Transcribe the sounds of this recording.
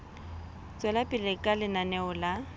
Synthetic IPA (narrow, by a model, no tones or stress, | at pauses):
t͡sʼwɛlapʼɪlɪkʼalɪnanɛʊla